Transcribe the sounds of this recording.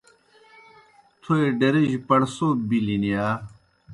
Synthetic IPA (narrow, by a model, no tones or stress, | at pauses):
t̪ʰoeɖeɾeʑpɐɽsobilinijaː